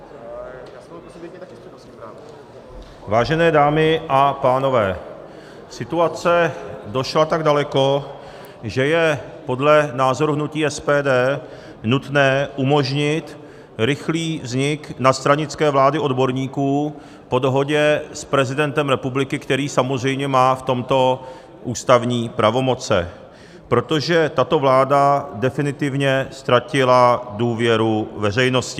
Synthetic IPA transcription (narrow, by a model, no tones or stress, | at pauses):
jasoseɛt̪akjɛs | aː | vaːʒɛnɛːdaːmɪʔapaːno̞vɛː | sɪt̪uat͡sɛdo̞ʃlat̪aɡdalɛko̞ | ʒɛjɛ | po̞dlɛnaːzo̞ɾuɦnuciːɛspɛːdɛː | nut̪nɛːʔumo̞ʒɲɪt̪ | ɾɪxliːvzɲɪknat̪st̪ɾaɲɪt͡skɛːvlaːdɪʔo̞dbo̞ɾɲiːkuː | po̞do̞ɦo̞ɟɛspɾɛzɪdɛnt̪ɛmɾɛpublɪkɪkt̪ɛɾiːsamo̞zr̝ɛjmɲɛmaːft̪o̞mt̪o̞ | ʔuːst̪avɲiːpɾʔavo̞mo̞t͡sɛ̰ | pɾo̞t̪o̞ʒɛt̪at̪o̞vlaːdadɛfɪnɪt̪ɪvɲɛst̪ɾacɪladuːvjɛɾuvɛr̝ɛjno̞scɪ